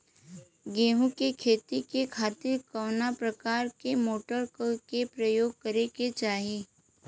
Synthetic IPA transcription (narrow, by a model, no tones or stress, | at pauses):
ɡeːɦũkekʰeːt̪ikekʰaːt̪ɪɾkɔːʊnapɾɐkaːɾkemoːʈəɾkkepɾəjoːɡ̚kɐɾeket͡ʃaːɦi